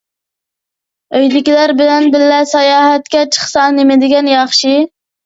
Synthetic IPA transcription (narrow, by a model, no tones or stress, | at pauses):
øjd̪ɪkʲilæɾbɪlɛnbɪlːɛsɑjɑːɦɛt̪̚kʲɛt͡ʃʰə̥χsɑnemɪd̪ɪɡʲɛnjɑχʃi